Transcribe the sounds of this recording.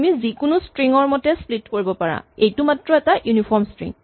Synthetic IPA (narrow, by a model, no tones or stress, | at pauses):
mizikʊnʊstɹiŋɔɹmɔtɛsplitkoɹibɔpaɹa̰ejtumatɹɔɛtajunipʰɔɹmstɹḭ̃ŋ